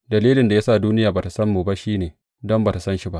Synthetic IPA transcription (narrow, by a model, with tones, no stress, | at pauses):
dɐ˨liː˦lɪ˨nda˨ja˦saː˦˨duː˦nɪ˦jaː˨baː˨ta˨sɐ˦mːuː˨ba˦ʃiː˦neː˨ | dɔ˦mbaː˨ta˨sɐ˦nʃi˦ba˦ʔ